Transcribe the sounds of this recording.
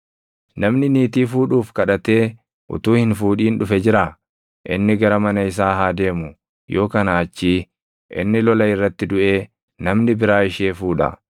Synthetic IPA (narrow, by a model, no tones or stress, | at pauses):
nɐmnɪniːt̪iːfuːᶑuːfkɐᶑɐt̪e̞ː | ʔʊ̰t̪uːhɪnfuːᶑiːnᶑʊfɛd͡ʒɪɾaː | ʔɪnːɪɡɐɾɐmɐnɐɪs̬aːɦaːd̪e̞ːmʊ | jʔo̞ːkɐnaːt͡ʃːiː | ʔɪ̰nːɪlɔlɐɪrːɐt̪ːɪd̪ʊʔe̞ː | nɐmnɪbɪɾaːɪʃeːfuːᶑɐ̰